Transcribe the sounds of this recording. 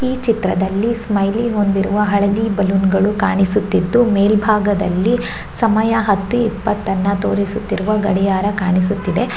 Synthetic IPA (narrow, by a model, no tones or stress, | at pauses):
iːt͡ʃit̪ɾɐd̪ɐlːismɐjliɦo̞nd̪iɾuʋɐɦɐɭɐd̪iːbɐlunɡɐɭukaːɳisut̪ːid̪ːumeːlbʱaːɡɐd̪ɐ̰lːi | sɐmɐjɐɦɐt̪ːuipːɐt̪ːɐnːɐt̪o̞ːɾisut̪ːiɾuʋɐɡɐɽɛjaːɾɐkaːɳis̬ut̪ːid̪e̞